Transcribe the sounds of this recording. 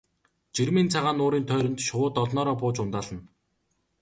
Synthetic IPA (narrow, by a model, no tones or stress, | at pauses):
t͡ɕirmiːnt͡sʰaʁaːnʊːɾiːnt̪ʰœːɾɘ̆nt̪ʃʊwʊːt̪ɔɮnɔːɾɔːpʊːt͡ɕʊnt̪aːɮə̆n